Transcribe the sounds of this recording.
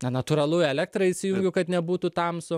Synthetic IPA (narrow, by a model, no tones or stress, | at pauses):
nɐnɐt̪uːɾɐlˠʊɛlʲæk̚t̪ɾɐɪsʲɪjuŋʲɡʲʊkɐt̪nʲɛbuːt̪ut̪ɐmsʊ